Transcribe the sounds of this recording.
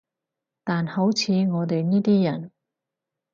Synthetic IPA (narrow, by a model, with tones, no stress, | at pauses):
t̪aː˨nho˨˥wt͡sʰiː˨˧ŋɔː˨˧t̪e˨jniː˥t̪iː˥jɐ˨˩n